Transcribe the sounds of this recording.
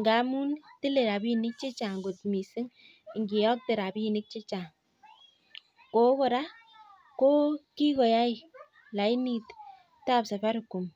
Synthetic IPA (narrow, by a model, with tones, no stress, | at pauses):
ŋɡa˨˦mu˦ntɪ˦le˨ɾa˨bi˦˨nɪ˦k̚t͡ʃe˦t͡ʃa˨ŋɡo˨tmi˨sɪ˦ŋ | ŋɡi˨jɔ˦k̚te˨ɾa˨pi˦˨nɪ˦k̚t͡ʃe˦t͡ʃa˨ŋ | ko˨˦kɔ˦˨ɾa˦ | ko˦ki˦kɔ˨ja˦i˦ | la˨i˦ni˨t | ta˦psa˨pa˦ɾʊ˨kːu˨m